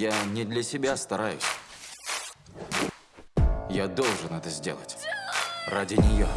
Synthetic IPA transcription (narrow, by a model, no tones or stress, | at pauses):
janʲɪd̪lʲəsʲɪbʲast̪ɐɾajʊ̰sʲ | jad̪o̞lˠʐɨnɛt̪əzʲdʲelˠə̰tʲ | radʲɪnʲɪjo